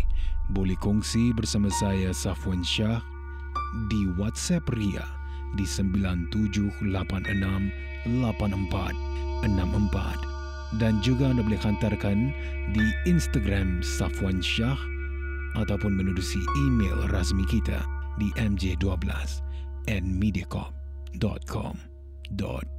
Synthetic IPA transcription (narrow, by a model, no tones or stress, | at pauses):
bolɛhkuŋsibərsamasajasafuwanʃah | diwat̪sɛpria̰ | disəmbilant̪ud͡ʒʊhlapanə̰nam | lapanəmpa̰t̪̚ | ənãmʔəmpa̰t̪̚ | dand͡ʒuɡaandabolikhant̪arkan | diinst̪aɡɾamsafuanʃah | ʔat̪awpʊnmənudusiimḛlrasmikit̪a̰diʔɛmd͡ʒeduabəla̰s | ɛn̚midiakɔ̰p̚ | dɔ̰t̪̚kʰɔ̰m | dɔ̰t̪̚